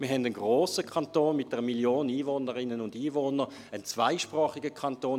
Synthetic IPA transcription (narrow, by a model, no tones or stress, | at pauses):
mɪːɐɦɛndənɡʁoːsəkʰɑntoːnmɪt̚d̥ɛʁəmiljoːniːvoːnəʁɪnənʊndiːvoːnə | ənt͡sv̥aɪʃpʁɔːχiɡəkʰɑntoːn